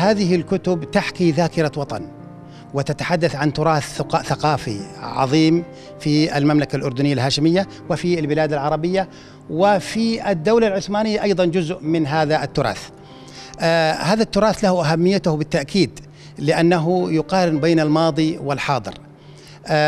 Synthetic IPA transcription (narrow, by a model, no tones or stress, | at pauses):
haːðɪɦɪlkʊt̪ʊbt̪aħkiðaːkɪɾawɑt̪ˤɑn | wɪt̪at̪aħad̪ːaθʕant̪ʊɾˤɑːθqːʔθaqɑːfḭʕɑ̰ðˤiːm | fia̰lmamlakalʔʊɾd̪ʊnɪjːalɦaːʃɪmɪjːa | wɪfiɪlbɪlaːd̪alʕɑɾˤɑbɪjːa | wɪfiɪd̪ːawlalʕʊθmaːnɪjːaʔɑjðˤɑnd͡ʒʊzʔmɪnɦaːðaʔɪt̪ːʊɾˤɑ̰ːθ | haːðat̪ːʊɾˤɑːθlahʊʔaɦamːɪjːat̪ʊhbɪt̪ːaʔkʰiːd̪ | lɪʔanːaɦʊjʊqɑːɾɪnbeːnalmɑːðˤiwɪlħɑːd̪ˤɨ̰ɾ